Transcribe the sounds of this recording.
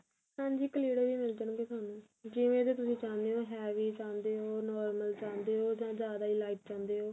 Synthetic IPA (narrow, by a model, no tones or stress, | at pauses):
sãːɲd͡ʒiːkəliːɽeːʋiːmɪld͡ʒənõːɡeːt̪ʊaːnũː | d͡ʒɪʋẽːt̪̬eːt̪ʊsĩːt͡ʃãːnd̪eːɦoːɦɛːʋiːt͡ʃãːnd̪eːɦoːnɔːɾməlt͡ʃãːnd̪eːɦoːd͡ʒãːd͡ʒjaːd̪aːiːlaːiːʈ̚t͡ʃãːnd̪eːɦoː